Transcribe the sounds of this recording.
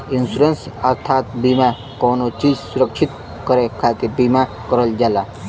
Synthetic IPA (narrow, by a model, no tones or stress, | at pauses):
insuɾensəɾt̪ʰaːt̪̚bima | kɔːnot͡ʃiːd͡ʒsuɾəkʃʰit̪ | kəɾekʰaːk̪ebima | kɔɾəld͡ʒaːla